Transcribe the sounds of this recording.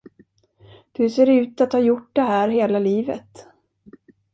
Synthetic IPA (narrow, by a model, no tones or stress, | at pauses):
hɵseːɖɛʉ̟ːt̪at̪hɑːjʊʈ̚d̪ɛɦæːɾɦeːlaliːvə̰t̪